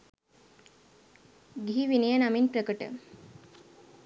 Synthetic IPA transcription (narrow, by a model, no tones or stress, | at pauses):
ɡiɦiʋinijənaminpɾəkəʈə̰